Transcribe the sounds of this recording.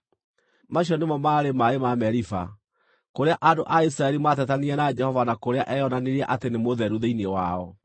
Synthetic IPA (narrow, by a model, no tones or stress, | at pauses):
maɕ̬iɔnemɔmaɾemaemamɛɾifa̰ | koɾeaʔandoʔais̬ɾaɛɾimaːt̬ɛtaniɛnad͡ʒɛhɔvanakoɾeaʔɛjɔnaneɾiɛʔatenemoðɛɾuðeiniɛwaɔ